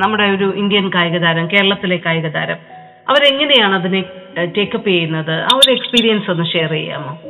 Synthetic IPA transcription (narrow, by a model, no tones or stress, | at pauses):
nɐmːuɽe̞o̞ɾuʔind̪jɐnkaːjɐɣɐðaːɾɐmke̞ːɾɐɭɐt̪ːile̞kːaːjɐɣɐða̰ːɾɐm | ɐ̰ʋɐɾeŋːɐne̞jaːɳɐðinete̞ːkːɐpːijɐjunːɐðɨʔɐʋɐɾekspiːɾijɐnso̞nːɨʂeːrḭjːa̰ːmoː